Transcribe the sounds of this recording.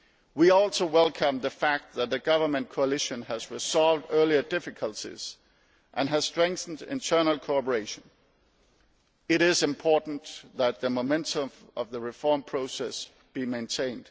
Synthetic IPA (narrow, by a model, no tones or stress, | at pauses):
wiɔlˠsoʊwɛlˠkʰʌ̃mðəfæk̚t̪̚ðət̪̚ðɨɡʌvə˞mɨ̃nkʰoʊəlɪʃɨ̃nəzɹɪzɑlˠvdɜ˞liə˞dɪfɨkʰəlˠtʰḭz̥ | ʔɨ̃nɨz̥stɹ̥ɛ̃ŋk̚θn̩dɪ̰̃ntʰɜ˞nl̩ˠkʰoɑpə˞eɪʃɨ̃n | ɪɾɪzɨ̃mpʰɔɹʔn̩ðət̪̚ðɨmomɛ̃ntʰə̃mʌvðəɹɨfɔɹmpʰɹ̥oʊsɛs | b̥imẽɪ̃ntʰẽɪ̃nd̥